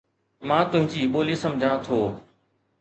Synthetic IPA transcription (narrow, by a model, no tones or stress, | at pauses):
mãːt̪ʊɦɪ̃ɲd͡ʑiːɓoːliːsəmd͡ʑʱãːt̪ʰoː